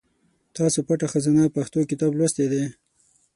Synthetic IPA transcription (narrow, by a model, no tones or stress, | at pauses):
t̪ɑsopaʈaxazanapaxt̪okɪt̪ɑblwast̪ed̪e